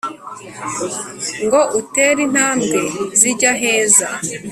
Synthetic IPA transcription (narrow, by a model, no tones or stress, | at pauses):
ŋɡo̞ʔuteɾin̥haːmɡe̞ziɟaɦe̞ːza